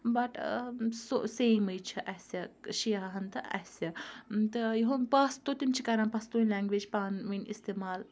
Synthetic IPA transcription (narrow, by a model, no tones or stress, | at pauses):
bɐʈso̰seːmɐjt͡ʃʰiʔɐsɐʃijaɦɦɐnt̪ɐʔɐ̰sɐt̪ɐjiɦõpɐst̪ot̪imt͡ʃʰikɐɾanpɐst̪onʲlɛ̃ŋɡʋed͡ʒpaːnminḭst̪eːmaːl